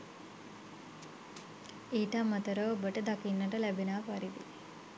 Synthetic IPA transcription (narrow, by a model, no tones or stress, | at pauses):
iːʈamːɐt̪ɐɾoːbəʈɐd̪ɐkinːɐʈɐlɛbinaːpɐɾid̪i